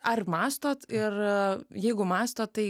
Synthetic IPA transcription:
ɐrmɑːst̪oːt̪ɪrjɛɪɡʊmɑːst̪oːt̪̚t̪ːɐɪ

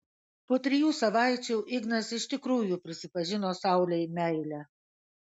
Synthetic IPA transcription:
poːt̪ʲɾʲɪjuːsɐʋɑˑɪt͡ʃʲuːʔɪɡnɐsɪʃʲt̪ʲɪkɾuːjupʲɾʲɪsʲɪpɐʒʲɪnoːsɑˑʊlʲɛɪmʲæɪlʲæ

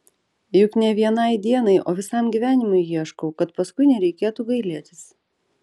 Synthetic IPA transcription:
jʊknʲɛʋʲiɛnɐɪd̪ʲiɛnɐɪʔoːʋʲɪsɐmɡʲiʋʲæːnʲɪmʊɪjiɛʃkɔʊkɐt̪pɐskʊɪnʲɛɾʲɛɪkʲeːt̪uːɡɐɪlʲiɛt̪ʲɪs

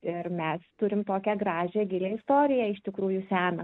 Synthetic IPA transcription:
ɪrmʲɛst̪ʊɾʲɪmt̪oːkʲɛɡɾɑːʒʲeɡʲɪlʲeɪst̪oːɾʲɪjɛɪʃt̪ʲɪkɾuːjʊsʲæːnɐ

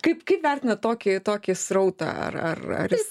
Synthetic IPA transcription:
kɐɪpkɐɪpʋʲærʲt̪ʲɪnɐt̪oːkʲɪt̪oːkʲɪsɾɐʊt̪ɐ̰ɐ̰rɐ̰rɐ̰ɾjɪs

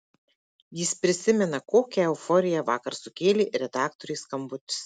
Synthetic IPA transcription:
jɪspʲɾʲɪsʲɪmʲɛnɐkoːkʲɛɛʊfɔɾʲɪjɛʋɑːkɐɾsʊkʲeːlʲiːɾʲɛd̪ɑːkt̪ɔɾʲɛːskɐmbʊt̪ʲɪ̥s

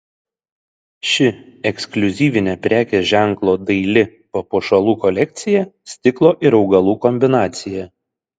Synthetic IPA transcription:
ʃʲɪɛksʲklʲʊzʲiːʋʲɪnʲɛpʲɾʲæːkʲeʒʲæŋˑklˠoːd̪ɐɪlʲɪpoːpoːʃɐlˠuːkɔlʲɛk̚ʲt̪sʲɪjɛsʲt̪ʲɪklˠoːʔɪɾɒʊɡɐlˠuːkɔmʲbʲɪnɑːt̪sʲɪjɛ

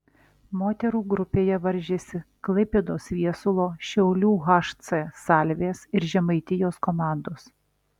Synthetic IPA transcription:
moːt̪ʲɛɾuːɡɾʊpʲeːjɛʋɐɾʲʒʲeːsʲɪklˠɐɪpʲeːd̪oːsʋʲiɛsʊlˠoːʃʲɛʊlʲuːɣɑːʃt̪sɛsɑːlʲʋʲeːsɪɾʒʲɛmɐɪt̪ʲɪjoːskoːmɑˑnd̪oːs

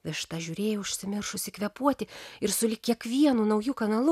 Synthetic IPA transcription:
ʋʲɪʃt̪ɑʒʲuːɾʲeːjɛʊʃʲsʲɪmʲɪrʃʊʃsʲɪkʋʲɛpuɔt̪ʲɪɪɾsʊlʲɪkkʲiɛkʋʲiɛnuːnɐʊjuːkɐnɐlˠʊ

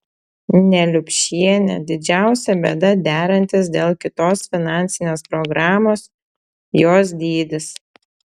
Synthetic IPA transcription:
nʲɛlʲʊpʲʃʲiɛnʲɛ̰d̪ʲɪd͡ʒʲæˑʊsʲɛbʲed̪ɐd̪ʲæːɾɐnʲt̪ʲɪs̬d̪ʲeːlˠkʲɪt̪oːsfʲɪnɑˑnʲt̪sʲɪnʲeːspɾɔɡɾɑːmoːs | joːs̬d̪ʲiːd̪ʲɪs

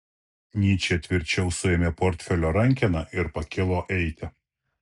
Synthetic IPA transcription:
nʲiːt͡ʃʲeːt̪ʲʋʲɪɾʲt͡ʃʲɛʊsʊeːmʲeːpoɾʲt̪ʲfʲɛlʲoːɾɐŋʲkʲɛnɐʔɪɾpɐkʲɪlˠoːʔɛɪt̪ʲɪ

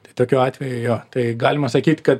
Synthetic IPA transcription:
t̪ɐɪt̪oːkʲuːɑːt̪ʲʋʲɛjʊjoːt̪ɐɪɡɑːlʲɪmɐsɐkʲiːt̪ʲkɐt̪

